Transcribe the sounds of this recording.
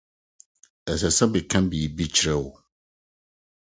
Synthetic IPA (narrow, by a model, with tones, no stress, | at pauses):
ɛ˨sɛ˨sã˦bi˨kʰã˦n˦bi˨bi˦t͡ɕʰɾɛ˦wo˨